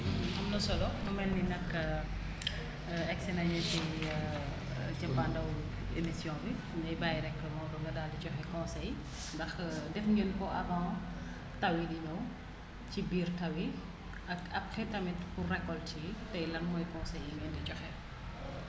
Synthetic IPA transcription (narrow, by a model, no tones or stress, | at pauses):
ʔɐmnɐsɔlɔmɔmɛnːinɐkː | ɛksɛnɐɲɛtɛj | cɐpːandɐw | emisjɔ̃ːbi | ndɐjbaːjɾɛkːlɐmɔdɔɡɐdaːdicɔxɛkɔ̃ːsɛj | ndɐxdɛfɲinkɔʔɐvãː | tɐwidinɐw | cibiːrtɐwi | ɐkɐp̚xɛtɐmitpurrɛkːɔltitɐjlɐnmɔjkɔ̃sɛjːimɛndicɔxɛ